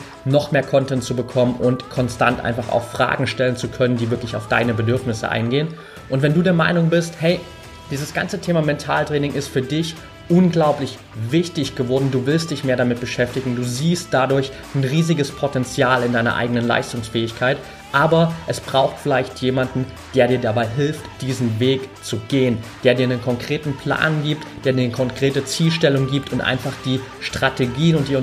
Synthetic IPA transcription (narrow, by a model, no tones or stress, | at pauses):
nɔχmeːɐkʰɔntɛntt͡subəkʰɔmənʔʊntkʰɔnsta̰ntʔa̰ɪnfaχa̰ʊxfʁ̥a̰ːɡŋ̩ʃtɛlənt͡sukʰœnəndiːvɪɐklɪça̰ʊfd̥a̰ɪnəbədʏɐfnɪsə̰ʔa̰ɪnɡeːən | ʔʊntv̥ɛnduːdeːɐma̰ɪnʊŋbɪsthɛɪ | d̥iːzəsɡ̥a̰nt͡sətʰeːmamɛntʰa̰ːltʁ̥ɛːnɪŋʔɪstfyːɐdɪç | ʔʊnɡlaʊplɪç | vɪçtɪçɡ̥əvɔɐdn̩duːvɪlst̚d̥ɪçmeːɐɾamɪt̚b̥əʃɛftɪɡŋ̩duːziːst̚d̥adʊɐç | nʁiːzɪɡəspʰɔtɛnt͡sjaːlɪndaɪnɐ̰ʔa̰ɪɡənənla̰ɪstʊŋsfɛːɪçkʰaɪt | ʔaːbɐʔɛsb̥ʁaʊxtfɪlaɪçtʰjeːmandn̩ | d̥eːɐɾiːɐdabaɪɦɪlftd̥iːzn̩veːkt͡suɡeːənd̥eːɐdiːɐnənkʰɔŋkʁ̥eːtn̩pʰl̥a̰ːnɡiːp̚td̥eːɐdiːɐnkʰɔŋkʁ̥eːtət͡siːlʃtɛlʊŋɡiːp̚tʰʊntʔa̰ɪnfaχd̥iːʃtʁ̥atʰeɡiːnʊnt̚d̥iːɐ